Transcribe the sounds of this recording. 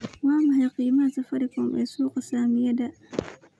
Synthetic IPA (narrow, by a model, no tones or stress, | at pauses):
waːmahajqiːmasafaɾikɔmɛ̰suːqɔsaːmijada